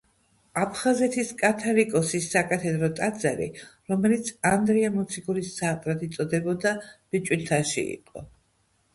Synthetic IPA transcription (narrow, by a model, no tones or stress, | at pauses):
apʰχazɛt̪ʰiskʼat̪ʰalikʼɔsisːakʼat̪ʰɛd̪ɾɔt̪ʼad̪zaɾḭɾɔmɛlit̪sʰand̪ɾɛamɔt̪sʰiɡuɾisːat̪ʼɾad̪it̪sʼɔd̪ɛbɔd̪ab̥it͡ʃʼwilt̪ʰaʃḭḭqʼɔ̰